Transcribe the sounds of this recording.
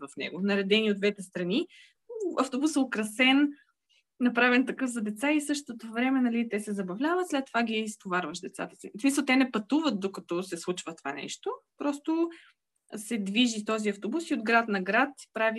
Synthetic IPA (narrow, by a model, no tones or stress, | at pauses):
vɐfnɛ̰ɡʊnɐɾɛd̪ɛniod̪d̪vɛt̪ɛst̪ɾɐni | ɐft̪obusɛokɾɐsɛn | nɐpɾavɛnt̪ɐkɤfzɐd̪ɛt̪saisɤʃt̪ot̪ovɾɛmɛnɐlit̪ɛsɛzɐbɐvlʲavət̪slɛt̪ːovaɡʲist̪ovaɾvəʃd̪ɛt̪sa̰t̪ɐ̥sḭsmisəlˠt̪ɛnɛpɐt̪uvət̪̚d̪okɐt̪ɔsɛslˠut͡ʃvət̪ova̰nɛ̰ʃt̪opɾɔst̪o | sɛd̪viʒit̪ɔziɐft̪obusiod̪ɡɾat̪nɐɡɾat̪pɾavi